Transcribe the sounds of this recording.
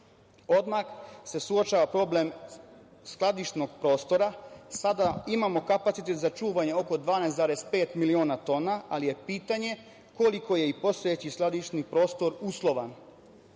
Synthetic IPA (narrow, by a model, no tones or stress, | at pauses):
o̞d̪maxse̞suot͡ʃaʋapɾo̞ble̞m | sklˠad̪iʃno̞ɡpɾo̞ːst̪o̞ɾasad̪aimamo̞kapat̪it̪et̪zat͡ʃuːʋaɲe̞o̞ko̞d̪ʋaːnejst̪zaːɾespe̞ːt̪milioːnat̪o̞ːnaalije̞piːt̪aɲe̞ | ko̞liko̞je̞ipo̞st̪o̞et͡ɕisklˠad̪iʃnipɾo̞ːst̪o̞ɾuslˠo̞ʋan